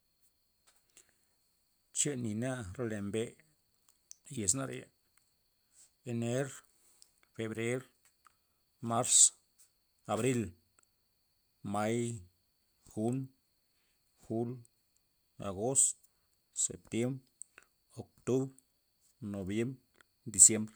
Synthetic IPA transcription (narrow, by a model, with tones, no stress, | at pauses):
t͡ʃe˦ni˨na˦ɾe˧le˨mbe˦ | je˨s̬na˦ɾḛ˨ | e˨ne˦ɾ | fe˨bɾe˦ɾ | ma˦ɾs | a˨bɾi˦l | ma˦j | xu˦n | xu˦l | a̰˨ɡo˦st̪ | sḛ˨p̚t̪je˦mbɾ | o˨k̚t̪u˦bɾ | no˨bje˦mbɾ | d̪i˨sje˦mbɾ